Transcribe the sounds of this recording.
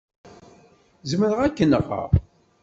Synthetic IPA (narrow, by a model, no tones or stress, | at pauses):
zməɾəʁækːənə̰ʁːə̰ʁˤ